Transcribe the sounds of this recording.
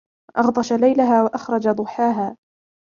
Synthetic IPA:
ʔɑɣd̪ˤɑʃalajlaɦaːwaʔɑxɾˤɑd͡ʒad̪ˤʊħaːɦaː

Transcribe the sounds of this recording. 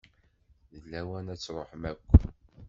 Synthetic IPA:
ðəlːæwænæt͡sːɾˤoħmækʷː

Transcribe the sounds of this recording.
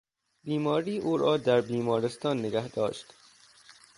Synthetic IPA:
biːmɒːɾiːʔuːɾɒːd̪æɾbiːmɒːɾest̪ɒːnːeɡæhd̪ɒːʃt̪

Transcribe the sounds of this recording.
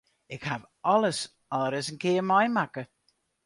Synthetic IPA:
ɪkhav | ɔləs | ɔləɾəzənkʰɪːmajmakə

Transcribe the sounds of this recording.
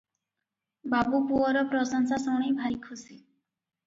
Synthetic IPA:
babupuɔɾɔpɾɔsɔŋsasɔɽ̃ibʱajkʰusi

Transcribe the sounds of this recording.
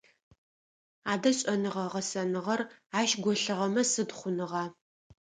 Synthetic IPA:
aːdɐɕʼɐnɨʁɐʁɐsɐnɨʁɐraːʃɡʷɔɬɨʁɐmɐsɨdχʷʊnɨʁɑː

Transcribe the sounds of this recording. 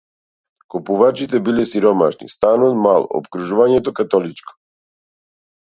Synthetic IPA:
kupuvat͡ʃit̪ɛbilɛsiɾɔma̰ʃnḭst̪anɔt̪malˠo̰pkɾuʒuvaɲɛt̪okat̪ɔlit͡ʃko̥

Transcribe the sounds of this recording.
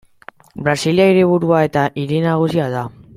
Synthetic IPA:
bɾasiliaiɾiβ̞uɾuae̞t̪aʔiɾinaɣ̞usiað̞a

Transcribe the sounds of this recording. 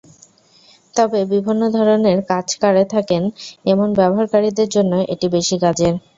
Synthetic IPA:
t̪ɔbebibʱinːod̪ʱɔɾoneɾkad͡ʑkaɽet̪ʰakenemonbɛboɦaɾkaɾid̪eɾd͡ʑonːoʔeʈibeʃiɡad͡ʑeɾ

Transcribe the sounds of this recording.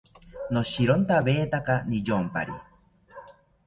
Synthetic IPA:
noʃiɾont̪aβeːt̪akanijompa̰ɾi

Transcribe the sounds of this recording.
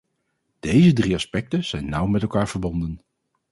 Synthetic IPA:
d̥ejzədriɑspɛk̚təz̥ɛjnːʌwmɛtɛlˠkaːɹv̥əɹbɔndən

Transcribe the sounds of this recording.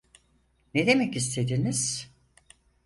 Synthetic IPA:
ned̪e̞mɛcist̪ʰe̞d̪iniz̥

